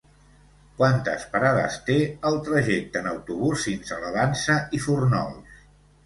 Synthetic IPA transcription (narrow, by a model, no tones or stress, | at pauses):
kwant̪ə̰spəɾaðə̰st̪eəlˠt̪ɾəʒɛk̚t̪ənəwt̪uβ̞usinsələðansəʔifurnɔ̰lˠs